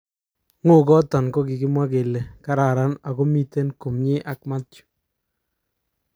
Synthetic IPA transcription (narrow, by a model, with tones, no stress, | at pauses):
ŋo˦˨ɡɔ˦tɔ˨nkɔ˦kɪ˨ɡɪ˦mwa˦ɡe˨le˨ka˦ɾa˨ɾa˦na˨ɡɔ˦mi˦te˦nko˨mɲe˦ʔa˨kma˦tt͡ʃu̥˨